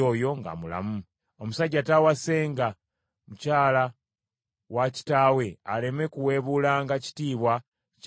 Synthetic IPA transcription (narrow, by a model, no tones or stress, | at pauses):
ojo̞ŋɡa̰mula̰mu | o̞musaɟːatawase̞ːŋɡa | mucaːla | waci̥taːwe̞ale̞me̞kuwe̞ːβulaːŋɡaci̥tiːβwa | c